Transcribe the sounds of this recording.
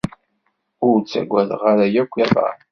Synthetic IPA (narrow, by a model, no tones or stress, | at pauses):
ʊɾt͡sːæ̰ɡʷːæðʁaɾæjækʷːæða̰